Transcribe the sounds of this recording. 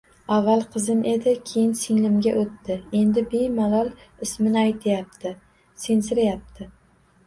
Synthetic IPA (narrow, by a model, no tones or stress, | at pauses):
avːalˠqʰɨzɪmʔe̞d̪ɪkʲʰejɪnsɪŋlɪmɡʲaʔot̪ʰːɪe̞nd̪ɪbejmalɒlˠɪsmɪnɪajt̪ʰɪjap̚t̪ɪ | sensɪɾajap̚t̪ʰɪ